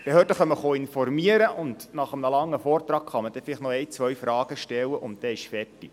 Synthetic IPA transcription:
b̥ɛɦøːɾtəχœmːəχoːɪnfɔrmiəɾəʔʊndnɑχəmnəlɑŋːəfɔːrt̪rɑːkχɑməd̥ɛfɪlɪχnɔɛjt͡sʋœɥfɾɑːɡ̥əʃtɛlːəʔʊnt̚dɛɪʃfɛrti

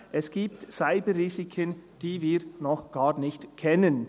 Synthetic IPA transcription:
ʔɛsɡ̥iːp̚tsaɪbəriːzikʰənd̥iːviːɾnɔχɡ̥aːʁnɪçtkʰɛnən

